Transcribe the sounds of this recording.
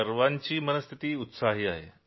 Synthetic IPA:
əɾʋaɲt͡ɕiːmənəst̪ʰit̪iːut̪saɦiːaɦḛ

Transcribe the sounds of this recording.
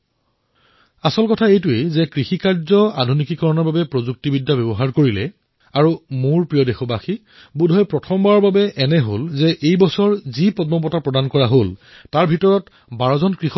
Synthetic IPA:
asɔlkɔtʰaejtʊejzɛkɹixikaɹzɔa̰dʱunikikɔɹɔnɔɹbabɛpɹozuk̚tibidːabɛbɔɦaɹkoɹilɛ̰ | aɹumoɹpɹijɔdexɔbaxi | budʱɔjpɹɔtʰɔmbaɹɔɹbabɛʔɛnɛɦolzɛʔejbɔsɔɹzipɔd̚mɔpɔtapɹɔdankɔɹaɦol | taɹbʱitɔɹɔt | baɹɔzɔnkɹix

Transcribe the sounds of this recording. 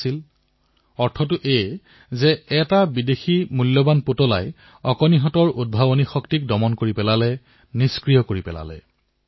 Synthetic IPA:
il | ɔɹtʰɔtʊʔej | zɛɛtabideximulːɔbanpotɔla̰j | ɔkɔniɦɔtɔɹud̚bʱabonixɔktik̚dɔmɔnkoɹipɛlalɛ | niskɹijɔkoɹipɛla̰lɛ̰

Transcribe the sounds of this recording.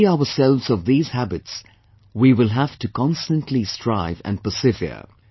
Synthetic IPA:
aʊə˞sɛlˠvzʌvðiːz̥hæbɨts | wiwɪlˠɦæftɨkʰɑ̃nstə̃ntʰlistʰɹ̥aɪvɨ̰̃npə˞sɪvɪə̰˞

